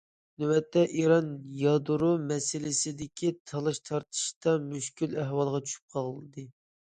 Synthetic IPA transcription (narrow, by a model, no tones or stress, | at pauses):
nywɛt̪ʰːɛʔiɾɑnjɑd̪uɾumɛsɪlɪsɪd̪ɪkʲʰit̪ʰɑlˠɨʃt̪ʰɑɾt̪ʰɨ̥ʃt̪ɑmyʃkʲylæɦwɑlˠʁɑt͡ʃʰy̥ʃy̥p̚qʰɑʁɨd̪ɨ